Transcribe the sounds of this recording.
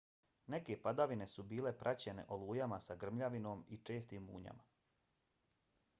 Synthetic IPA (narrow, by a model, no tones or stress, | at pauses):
ne̞ke̞pad̪aʋine̞subiːle̞pɾʔat͡ɕe̞ne̞̰ʔolˠuːjamasaɡr̩mʎaʋino̞ːmit͡ʃe̞ːst̪iːmːṵːɲa̰ma